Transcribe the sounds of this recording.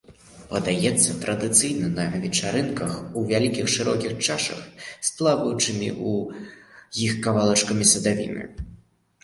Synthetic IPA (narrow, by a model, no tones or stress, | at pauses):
pɐd̪ajɛt̪sːɐt̪ɾʔɐd̪ɨt̪sɨjnɐnɐvʲɛt͡ʂaɾɨnkɐxuvʲalʲikʲixʂɨɾɔkʲixt͡ʂaʂɐ̰xsplˠavɐjut͡ʂɨmʲḭʔu | jixkavalˠɐt͡ʂkɐmʲisɐd̪avʲḭnɨ̰